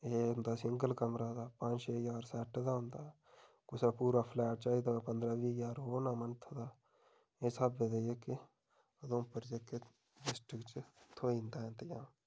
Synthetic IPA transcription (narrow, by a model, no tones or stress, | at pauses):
eʊ̃nd̪aːsɪŋɡəlkəmɾaːd̪aːpə̃ɲt͡ʃeːjaːɾsɛːʈʰd̪aːɦʊ̃nd̪aː | kʊsaːpuːɾaːpʰlɛːʈ̚t͡ʃaːid̪aːpənd̪ɾaːʋiːjaːɾɦoːnaːmənt̪ʰːd̪aː | eːsəbːed̪ejeke | d̪õːpəɾd͡ʒekːe | ɖɪsʈɪkt͡ʃt̪ʰoːĩːnd̪aːɛ̃ːnt̪əjãː